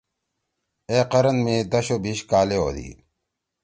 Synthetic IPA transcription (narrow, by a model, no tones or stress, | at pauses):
eːqɐɾɐnmed̪ɐɕobiɕkaːleo̰d̪ḭ